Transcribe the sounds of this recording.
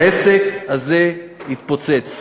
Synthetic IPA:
esekazeit̪̚pot͡set͡s

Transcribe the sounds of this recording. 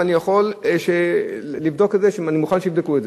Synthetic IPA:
anijaχo̞lʃelivd̪o̞kezeʃanimuχanʃeivd̪ekuez

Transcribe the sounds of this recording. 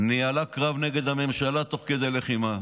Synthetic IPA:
nialakʁavneɡe̞d̪ame̞mʃalat̪o̞χked̪eleχima

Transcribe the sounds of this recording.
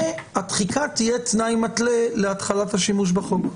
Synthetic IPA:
at̪χikʰat̪ijett͡snajmat̪le̞leat̪χalathaʃimuʃ̬baχok

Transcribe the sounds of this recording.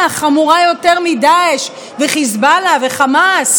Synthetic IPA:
aχamuʁajo̞teʁmid̪aeʃ | veχizbalaveχamas

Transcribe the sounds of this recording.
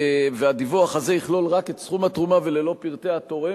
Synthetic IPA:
vead̪ivoaχaze̞iχlo̞lʁaket̪sχumat̪ʁumave̞le̞lo̞piʁt̪eat̪o̞ʁe

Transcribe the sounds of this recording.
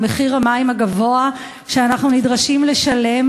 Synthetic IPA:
meχiʁamaimaɡavo̞a | ʃeanaχnunidʁaʃimle̞ʃale̞m

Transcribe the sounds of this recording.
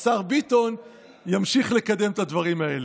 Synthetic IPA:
saʁbit̪o̞n | jamʃiχle̞kad̪e̞mt̪ad̪vaʁimaele

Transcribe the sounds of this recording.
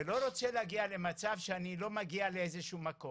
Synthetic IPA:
elo̞ɾo̞t͡seleaɡiale̞mat͡savʃeanilo̞maɡialeezeʃumako

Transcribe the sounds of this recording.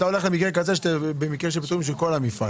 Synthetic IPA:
t̪aole̞χlemikʁekazeʃt̪ebemikʁeʃ̬epit̪uimʃ̬eko̞lamifa̰

